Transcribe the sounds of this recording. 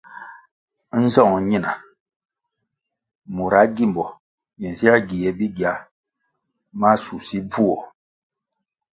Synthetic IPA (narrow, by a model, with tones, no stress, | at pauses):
n̩˦zɔ˦˨ŋ˨ɲi˦na˨ | mu˨ɾa˨˦ɡi˦˨m˨bɔ˨ | jɛ˨n˨si˦a˦ɡi˨jɛ˨bi˦ɡa˨˦ | ma˦su˨si˦b͡vu˦ɔ˨